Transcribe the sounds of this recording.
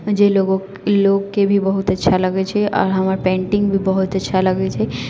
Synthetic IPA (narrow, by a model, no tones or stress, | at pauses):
d͡ʒeloːɡo | loːɡkebʱibəɦʊt̪ɐtːʃʰalɐɡet͡ʃʰeʔɔ̰ːɾɦɐmaːɾpẽːɳʈɪ̃ŋɡbʱibəɦʊt̪ɐtːʃʰalɐɡet͡ʃʰe